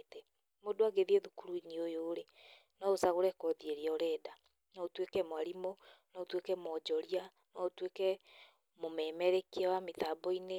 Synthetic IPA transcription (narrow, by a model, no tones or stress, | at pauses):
tɛ | modoaɡeðieðukuɾuiniojoːɾe | nɔosaɣoɾɛkɔðieɾeɔɾɛːda | nɔotwekɛmwaɾimonɔotwekɛmɔd͡ʒɔɾia | nɔotwekɛ | momɛmɛɾekiawametabɔine